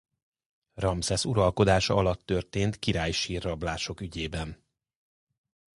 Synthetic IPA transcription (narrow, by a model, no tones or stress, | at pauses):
rɒmsɛsuɾɒlko̞d̪aːʃɒɒlɒt̪ːø̞rt̪eːnt̪kiɾaːjʃiːrːɒblaːʃo̞kyɟeːbɛn